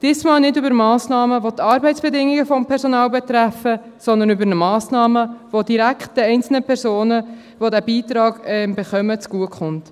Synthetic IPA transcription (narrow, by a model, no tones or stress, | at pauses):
d̥iːsmɑːlnɪdybəɾmɑːsnɑːməʋot̪ʰɑːɾbɛɪtt͡sb̥ɛdɪŋːiɡəfɔmpʰɛɾsonɑːlbɛt̪ɾæfə | sɔnd̪ənybəɾnəmɑːsnɑːməʋod̥iɾækχt̚d̥əɛɪnt͡sl̩nəpʰɛɾsoːnə | ʋodæbiːt̪ɾɑːɡ̥ɛmbeχœmət͡sɡ̥uəkχʊnt